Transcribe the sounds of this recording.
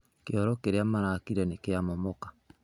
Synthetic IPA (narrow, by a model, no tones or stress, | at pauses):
keɔɾɔkeɾeamaɾakiɾɛnekeamɔmɔkḁ